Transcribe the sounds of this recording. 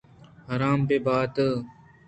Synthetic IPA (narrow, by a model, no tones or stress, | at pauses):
ɦəɾaːmpeːbaːt̪ə